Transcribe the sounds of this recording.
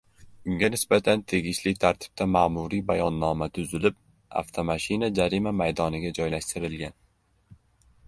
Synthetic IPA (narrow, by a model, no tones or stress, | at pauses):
ʊŋɡʲanɪsbat̪ʰant̪ʰe̞ɡʲɪʃlɪk̚ʲt̪ʰaɾt̪ʰɪ̥b̥̚t̪ʰamaːmʊɾibajɒnːɒmat̪ʰʊzɪlɪp̚ | a̰ft̪ʰomaʃɪnad͡ʒaɾimamajd̪ɒnɪɡʲad͡ʒɒjlaʃt̪ɪɾɪlɡʲan